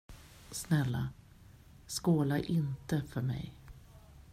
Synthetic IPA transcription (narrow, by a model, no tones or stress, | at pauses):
snɛlːa | skoːlaʔɪnt̪əfœɾmɛ̰j